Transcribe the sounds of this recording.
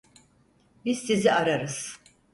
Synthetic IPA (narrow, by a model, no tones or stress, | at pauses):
bizsiziaɾaɾɯz̥